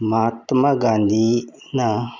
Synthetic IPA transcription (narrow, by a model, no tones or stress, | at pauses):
maːt̪maɡãːnd̪i | na